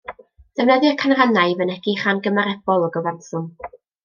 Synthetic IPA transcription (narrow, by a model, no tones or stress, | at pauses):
d̥ɛvnɛðɨkʰanranajvənɛɡ̥iχanɡəmaɾɛb̥ɔlˠɔɡɔvansɔn